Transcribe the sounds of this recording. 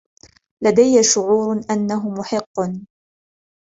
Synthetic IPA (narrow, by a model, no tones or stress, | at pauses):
lad̪ajːaʃʊʕuːɾʔanːaɦʊmʊħɪqːn